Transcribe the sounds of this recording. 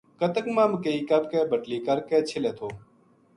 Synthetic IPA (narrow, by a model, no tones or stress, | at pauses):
kət̪əkmãːmkeiːkəɾkɛːbəʈliːkəɾkɛːt͡ʃʰɪlɛːt̪ʰoː